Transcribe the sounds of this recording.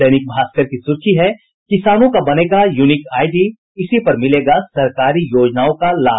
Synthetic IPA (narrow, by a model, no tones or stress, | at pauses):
sɐnɪk̚bʱaːskəɾkisʊɾkiɦɛ | kɪsaːnõkabɐneːɡajuːnɪkaːɪɖi | ɪsipɐɾmɪleːɡasɐɾkaːɾijoːd͡ʒnaːõkalaː